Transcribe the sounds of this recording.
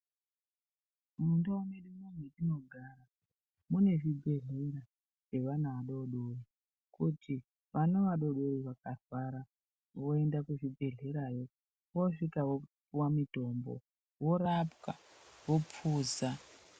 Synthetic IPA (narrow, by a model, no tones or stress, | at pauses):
mundauneɗumunweɗino̞ɡʱaːɾa | mune̞ʐibʱe̞ɮeira | ʐ̥e̞ʋanaaɗo̞ɗoi | kuti | ʋanoʋaɗo̞ɗo̞iʋakatwaɾa | ʋo̞e̞ndakuʐibʱe̞ɮe̞ɾajo | ʋoʂikaʋopuwamito̞mbo̰ | wo̞ɾapkaʋo̞p͡fuːza